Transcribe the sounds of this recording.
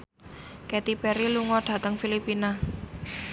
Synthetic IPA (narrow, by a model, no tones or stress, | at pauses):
kɛt̪ipɛɾiluŋɔɖ̪̥ä̤t̪əŋfilipina